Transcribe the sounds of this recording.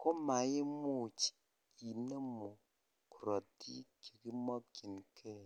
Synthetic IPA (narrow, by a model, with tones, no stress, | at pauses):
ko˦ma˨je˦mo˦˨t͡ʃi̥˨ | i˨nə˦mo˨ | ku˨ɾɔ˨ttḭ˦ki˨ki˦mɔ˦k̚ki˨nkʰɛ˦